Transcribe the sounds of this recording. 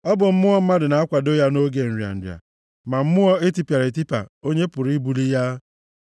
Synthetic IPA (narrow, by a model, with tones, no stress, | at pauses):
ɔ˦bʊ˨m̩˦mʊ˦ɔ˦m̩˦ma˦dɪ˨na˨a˦kʷa˨do˦ja˦no˦ɡe˨n̩˨ɾja̰˨n̩˨dja̰˨ | ma˨m̩˦mʊ˦ɔ˦e˦ti˦pja˨ɾe˨t̬i˦pa̰˨o˦ɲe˦pʊ˨ɾi˦bu˨li˦ja˦